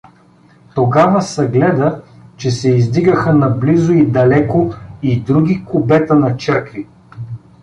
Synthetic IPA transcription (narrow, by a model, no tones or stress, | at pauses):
t̪oɡavəsɐɡlɛd̪ət͡ʃɛsɛizd̪iɡəxənɐblizʊid̪ɐlɛkoid̪ɾuɡʲikʊbɛt̪ənɐt͡ʃəɾkvi